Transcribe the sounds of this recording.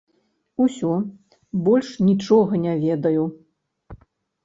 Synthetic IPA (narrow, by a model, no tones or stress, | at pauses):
usʲɔ | bɔlʲʂnʲit͡ʂɔɣɐnʲavʲɛd̪ɐju